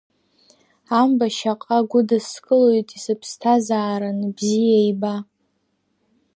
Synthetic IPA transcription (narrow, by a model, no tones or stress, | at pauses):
ambaʃaqʼaɡʷʊdɨskʼɨlojtʼisɨpʰstʰazaːɾanbzijajba